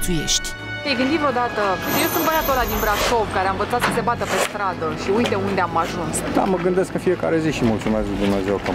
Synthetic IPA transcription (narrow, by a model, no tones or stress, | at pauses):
t̪ujḛʃt̪ʲ | t̪ejɡɨnd̪ivod̪at̪əje̞wsunt̪bəjat̪olad̪inbɾakʃo̞vkaɾeaɱvət̪sat̪səse̞bat̪əpe̞st̪ɾad̪əʃiujt̪e̞und̪e̞amaʒunsd̪̥a̰məɡɨnd̪eskɨnfije̞ka̰ɾe̞ziʃimult̪sumeskd̪umneezewkə